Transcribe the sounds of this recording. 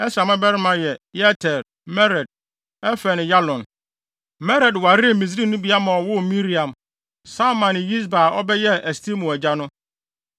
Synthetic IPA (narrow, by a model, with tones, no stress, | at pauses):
ɛ˦sa˨mã˦bɛ˦ɾɪ˦mã˨jɛ˨jɛ˦tʰɛ˨ɾ | mɛ˦ɾɛ˨d̚ | ɛ˦fɛ˨nɪ̃˨ja˦lɔ̃˨n | mɛ˦ɾɛ˨dwa˨ɾi˦˨mĩ˨s̬ɾi˦nʊ̃˦bi˨a˦mã˨ɔ˨wʊ˦mĩ˦ɾi˨ã˨m | sa˦mã˨nɪ̃˨ji˦s̬ba˨ɔ˦bɛ˦jɛ˦ʔɛ˨stʰi˦mʊ̃˨ɛ˨d͡ʑa˦nʊ̃˦